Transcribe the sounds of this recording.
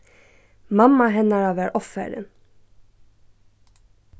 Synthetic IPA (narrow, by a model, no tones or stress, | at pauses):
mɑmɑɦɛnɑɹɑːʋæːɹʔɔfæ̰ːɾə̰n